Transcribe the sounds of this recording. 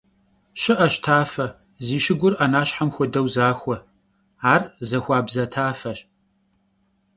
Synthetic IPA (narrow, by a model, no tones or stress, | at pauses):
ɕɪʔɐɕtʰaːfɐ | ziːʃɪɡʷʊrʔɐnaːɕħamxʷɔdɐwzaːxʷɔ | aːrzɐxʷaːbzɐtʰaːfɐɕ